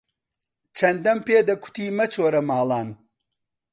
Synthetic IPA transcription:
t͡ʃʰɐnd̪ɐmpeːd̪ɐkʰʊ̥t̪iːmɐt͡ʃʰoːɾɐmaːlˠaːn

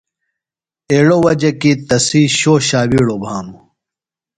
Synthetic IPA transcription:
eːɽowɐd͡ʑɐkit̪ɐsiːɕoːɕaːwiːɽoːbʱaːnu

